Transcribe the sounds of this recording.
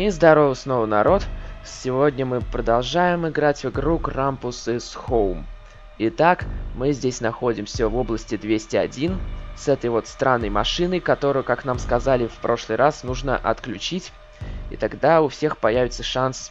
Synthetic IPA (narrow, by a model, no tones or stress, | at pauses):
izd̪ɐɾo̞vɨsno̞vənɐɾo̞t̪sʲɪvo̞dʲnʲəmɨpɾəd̪ɐlˠʐajɪmɪɡɾatʲvɨɡɾukrampʊsɨsxolˠm | ɪt̪akmɨzʲdʲesʲnɐxo̞dʲɪmsʲəvo̞blˠəsʲtʲɪd̪vʲesʲtʲɪɐ̰dʲinsɛt̪əjvo̞t̪st̪ɾʔanːəjmɐʂɨnəjkɐt̪o̞ɾʊjʊkaknamskɐzalʲɪfpɾo̞ʂlˠɨjɾʔasnuʐnə̰ʔɐ̰t̪klʲʉt͡ɕitʲ | ḭt̪ɐɡd̪aʊfsʲe̞xpɐjævʲɪt̪səʂans